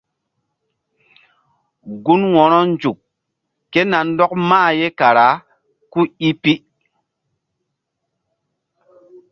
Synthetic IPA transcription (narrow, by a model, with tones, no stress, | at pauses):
ɡu˦nwɔ˨ɾɔ˦nd͡ʒu˨kː | e˦na˨n˦dɔ˦k̚maː˦˨je˦ka˨ɾa˨˦ | ku˦i˦pi˦